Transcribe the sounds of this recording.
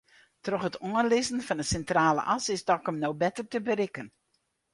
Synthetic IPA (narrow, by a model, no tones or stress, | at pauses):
trɔxhətuənlɪzən̩fɑnəsɛntraːlə̰ʔɑsɪsdɔkɔmnowbɛtərtəbəɾɪkən